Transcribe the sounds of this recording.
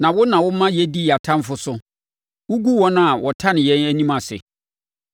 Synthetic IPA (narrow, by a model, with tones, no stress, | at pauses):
nã˨wʊ˦nã˨wʊ˦mã˦jɛ˦di˦ja˨tʰã˦m˦fʊ˨sʊ˦ | wu˦ɡu˦wɔ˦nʊ̃˦a˨wʔɔ˨tʰã˦nɪ̃˨jɛ̃˦næ˦nĩ˦mã˨sɪ̰˨